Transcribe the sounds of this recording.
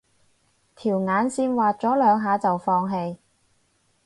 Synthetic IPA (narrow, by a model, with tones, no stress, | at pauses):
t̪ʰiː˨˩wŋaː˨˧nsiː˧nwaː˨t̚t͡sɔː˨˥lœː˨˧ŋɦaː˨˧t͡sɐ˨wfɔː˧ŋɦe˧j